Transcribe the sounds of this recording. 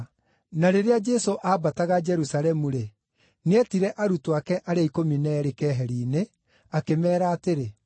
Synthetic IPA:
naɾeɾead͡ʒɛsoʔaːbataɣad͡ʒɛɾusaɾɛmuɾe | neɛtiɾɛʔaɾutoakɛʔaɾeaikominɛːɾekɛːɦɛɾiːne | akemɛːɾaːteɾe

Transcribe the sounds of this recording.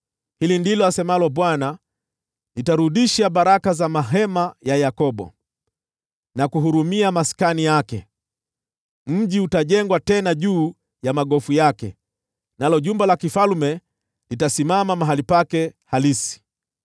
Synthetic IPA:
hilindilɔasɛmalɔɓwana | litaɾuɗiʃaɓaɾakazamaɦɛmajajakɔɓɔ̰ | nakuɦuɾumiamaskanijakɛ | m̩ʄiutaʄɛŋɡwatɛnaʄuː | jamaɠɔfujakɛ̰ | nalɔʄumbalakifalmɛ | litasimamamaɦalipakɛhalisi̥

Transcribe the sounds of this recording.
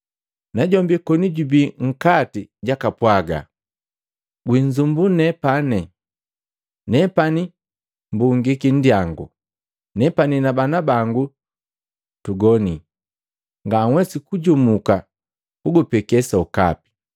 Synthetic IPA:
naɟɔmbikɔniɟubiŋ̩katiɟakapwaɡa̰ | ɡwiɲd͡ʒumbunɛpanɛ | nɛpani | mbuŋɡikin̩diaŋɡṵ | nɛpaninabanabaŋɡu | tuɡɔni | ŋɡaŋwɛsikuɟumuka | kuɡupɛkɛsauka̰pi̥

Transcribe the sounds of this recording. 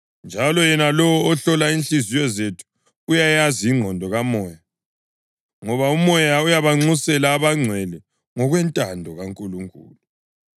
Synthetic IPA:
nd͡ʒʱalɔjɛnalɔwɔːɬɔlainɬizijɔzetʰu̥ː | jajaziŋ͡ǃʱɔndʱɔɣamɔːja | ŋɔβaumɔjaujaβaŋ͡ǀusɛlaːβaŋ͡ǀʱwɛli | ŋɔɣwɛntʼandʱɔɣaŋkʼuluŋkʼṵːlu

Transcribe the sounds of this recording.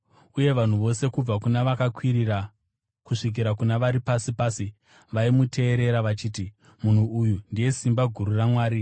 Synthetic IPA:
uje̞ʋan̤uʋo̞se̞kub͡vakunaʋakakwiɾira | kuʂik̬iɾakunaʋaɾipasipaːsi | ʋaimutʰe̞ːɾe̞ɾaʋat͡ʃiːti | mun̤uujundije̞simbaɡʱuɾuramwaːɾi

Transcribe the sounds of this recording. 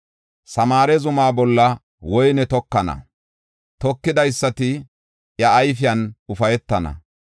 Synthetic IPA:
sɐmaːɾɛzʊmaːbɔlːɐ | wɔjnɛt̪ɔkːɐnɐ̰ | t̪ɔkːɪd̪ɐjsːɐt̪ɪ | jɐːjfɪjɐnʊfɐjɛt̪ːɐnɐ̰

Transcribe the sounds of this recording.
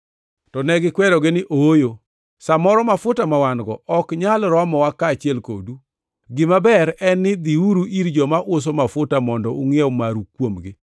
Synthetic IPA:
tɔnɛɡɪkwɛɾɔɡɪnɪʔoojo | samɔɾɔmafʊtamawanɡɔɔkɲalɾɔmɔwakːaːt͡ʃɪɛlko̰du | ɡɪmabɛɾɛnːɪd̪iuɾuʔiɾd͡ʒɔmaʔʊs̬omafʊtamɔndɔʊŋjɛwmaɾukːwomɡɪ

